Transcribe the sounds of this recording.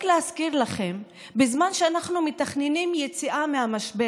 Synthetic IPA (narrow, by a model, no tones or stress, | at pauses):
kleaskiʁlaχe̞m | bezmanʃeanaχnumet̪aχnenimje̞t͡siʔamehamaʃbe